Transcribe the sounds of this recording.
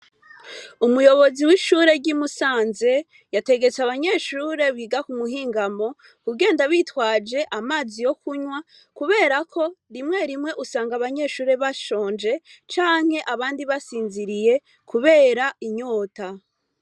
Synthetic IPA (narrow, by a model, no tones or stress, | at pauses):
umujo̞βo̞ziwiʃuːɾe̞ɾɡɟimusaːnze̞ | jate̞ɡe̞t͡saβaɲe̞ːʃuːɾe̞wiːɡakumuɦiːŋɡamo̞ | kuɡe̞ːndaβitwaːd͡ʒe̞ʔamaːzijo̞kʰuɲwa | kuβe̞ːɾakʰo̞ɾimŋe̞ɾimŋe̞ʔusaːŋɡaβaɲe̞ːʃuːɾe̞βaʃo̞ːnd͡ʒe̞t͡ʃaːŋ̥he̞ʔaβaːndiβasiːnziɾije̞ | kuβe̞ːɾaiɲoːta